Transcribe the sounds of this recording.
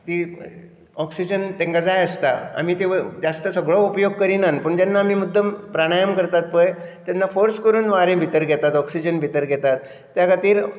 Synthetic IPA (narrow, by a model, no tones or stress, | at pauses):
t̪i | ɔksid͡ʑənt̪ẽŋkad͡zajəst̪aa̰mit̪ed͡zast̪əsəɡɭɔupjoɡ̚kəɾinanpəɳt̪anːaːmiːmud̪ʱːəmpɾaɽ̃ajəmkəɾt̪at̪̚pəj | t̪janːafoɾskəɾuːnʋaɾẽbʱit̪əɾɡʱɛt̪at̪ɔksid͡ʑənbʱit̪əɾɡʱɛt̪at̪ː | jakʰat̪iːɾ